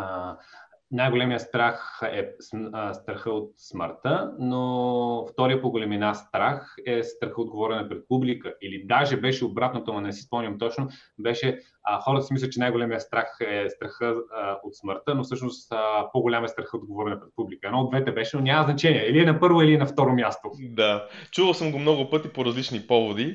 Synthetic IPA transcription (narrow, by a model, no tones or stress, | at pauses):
najɡolɛmiəst̪ɾaxɛsst̪ɾɐxəot̪smə̰ɾt̪ənoft̪ɔɾijəpoɡolɛminast̪ɾaxɛst̪ɾɐxəod̪̚ɡovɔɾɛnəpɾɛt̪̚publikəʔilid̪aʒɛbɛʃɛobɾat̪not̪omɐnɛsi̥spɔmnʲɐmt̪ɔt͡ʃnobɛʃɛ | xɔɾət̪əsimislʲət͡ʃɛnajɡolɛmijəst̪ɾaxɛst̪ɾɐxəot̪sməɾt̪ənofsɤʃnost̪əpoɡʊlʲamɛst̪ɾɐxəod̪̚ɡovɔɾɛnɐpɾɛt̪̚publikəɛnɔod̪vɛt̪ɛbɛʃɛnonʲaməznɐt͡ʃɛniɛɛliɛnɐpɤɾvoiliɛnɐft̪ɔɾomjast̪od̪at͡ʃuvəlˠsəmɡomnɔɡʊpɤt̪ipoɾɐzlit͡ʃnipɔvod̪i